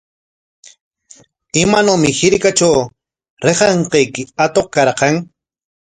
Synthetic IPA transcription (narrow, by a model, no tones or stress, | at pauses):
ɪmanawmɪhɪɾkat͡ʃaw | ɾeqɑɴqɑjkɪat̪oχ̚kaɾqɑŋ